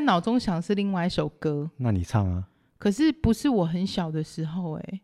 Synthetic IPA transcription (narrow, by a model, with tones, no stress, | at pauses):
nɑ˨˩ʊʈ͡ʂo˥ŋɕjɑ˨˩ŋʂɻ̩˥˧li˥˧ŋwa˥˧ɪʂo˨˩ʊkɤ˦na˥˨nḭ˨˩t͡sʰɑ˥˩ŋa̰˨ | kʰɤ˨˩ʂɻ̩˥˩pu˧˦ʂɻ̩˥˩˨wɔ˨˩ɦə˧˦nɕjɑ˨˩ʊd̪ə˨˦ʂɻ̩˧˥xo˥˨ʊḛ˨˩